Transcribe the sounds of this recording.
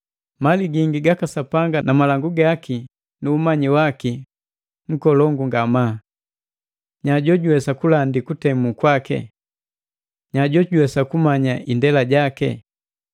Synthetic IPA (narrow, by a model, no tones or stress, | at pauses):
maliɡiŋɡiɡakasapaŋɡanamalaŋɡuɡaki | nuːmaɲiwaki | ŋ̩kɔlɔŋɡuŋɡama | ɲaɟɔɟuwɛsakulandikutɛmukwakɛ̰ | ɲaɟɔɟuwɛsakumaɲaʔindɛlaɟakɛ̰